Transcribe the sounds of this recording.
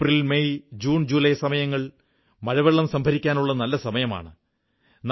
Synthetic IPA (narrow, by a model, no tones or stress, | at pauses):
rilmejd͡ʑuːnd͡ʑuːlɐjsɐmɐjɐŋːɐɭ | mɐɻɐʋɐɭːɐmsɐmbʱɐɾikʲːaːnuɭːɐnɐlːɐsɐmɐjɐma̰ːɳɨ | n